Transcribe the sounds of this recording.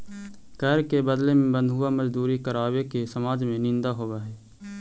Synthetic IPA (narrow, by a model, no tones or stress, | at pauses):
kɛːɾkebəd̪lemẽbə̃nd̪ʱɦʊamɐd͡ʒd̪uːɾikəɾaːwekesɐmaːd͡ʒmẽnɪ̃nd̪aɦoːʋaɦɛː